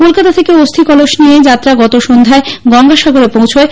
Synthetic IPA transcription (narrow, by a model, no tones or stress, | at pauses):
kolkat̪at̪ʰekeost̪ʰikɔloʃnijed͡ʑat̪ːɾaɡɔt̪oʃond̪ʱaeɡɔŋɡaʃaɡoɾepowt͡ɕʰoe